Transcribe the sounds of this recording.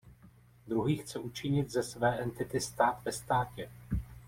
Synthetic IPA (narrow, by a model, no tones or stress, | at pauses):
d̪ɾuɦiːxt͡sɛʔut͡ʃɪɲɪt̪zɛsvɛːʔɛnt̪ɪt̪ɪst̪aːt̪vɛst̪aːcɛ